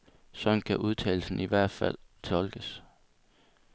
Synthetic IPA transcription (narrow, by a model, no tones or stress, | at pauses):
sɒ̥̽n̩kʰæʔuð̞ˠt͡sʰɛːl̩sn̩iʋæɐ̰d̥fæl̰t͡sʰɒ̽lɡ̥əs